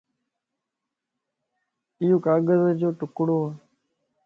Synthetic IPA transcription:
ɪjoːkaːɡəzd͡ʒoːʈʊkɽoːaː

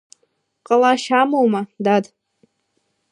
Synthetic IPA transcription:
qʼalaʃamowmadad

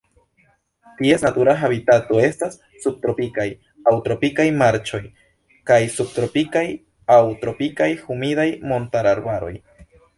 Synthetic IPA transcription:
t̪iesnat̪uɾaxaβit̪at̪oe̞stasːub̚t̪ɾopikaj | awt̪ɾopikajmaɾt͡ʃo̞j | kajsub̚t̪ɾopikaj | awt̪ɾo̞pikajxumidajmo̞nt̪aɾaɾbaɾo̞̰j

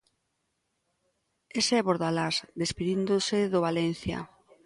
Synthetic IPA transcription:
esɛβoɾðalazd̪espiðind̪oseðoβalen̟θja̰

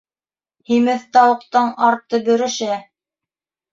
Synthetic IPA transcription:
himɘθt̪ɑwɤ̆qt̪ɤɴɑɾt̪ːɤbɵ̆ɾɘ̆ʃæ

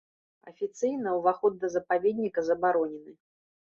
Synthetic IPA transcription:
ɐ̰fʲit̪sɨjnɐwvaxɔd̪ːɐzɐpavʲed̪ʲnʲikɐzɐbaɾɔnʲɛnɨ

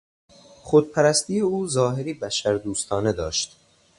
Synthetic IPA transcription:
χod̪̚pʰæɾæst̪iːjeuːzɒːɦeɾiːbæʃæɾd̪uːst̪ʰɒːne̞d̪ɒːʃt̪

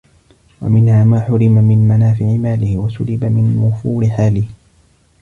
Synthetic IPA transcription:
wa̰mɪnhaːmaːħʊɾɪmamɪnmanaːfɪʕɪmaːlɪhɪwasʊlɪbamɪnwʊfuːɾɪħaːlɪh

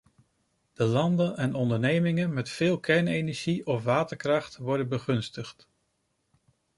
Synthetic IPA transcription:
d̥əlɑndənɛnɔndəɹnejmɪŋənmɛtfɪːlˠkɛɹnejnɛɹʒiʔɔfʋaːtəɹkrɑχtʋɔɹdənbəχɵnstəχt

